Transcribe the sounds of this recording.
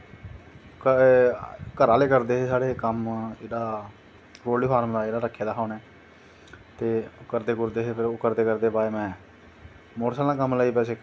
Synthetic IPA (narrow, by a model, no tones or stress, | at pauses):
k | kəɾaːleːkəɾd̪eːɦeːsaːɽeːkəmeːɽaː | ɾoːliːpʰaːɾmd̪aːeːɽaːɾəkʰːeːd̪aːɦaːneː | t̪eːʊkəɾd̪eːkʊɾd̪eːɦeːpʰɪɾoːkəɾd̪eːkəɾd̪eːpaːemɛ̃ː | moːʈsaːlãːkəmləiːpɛːseː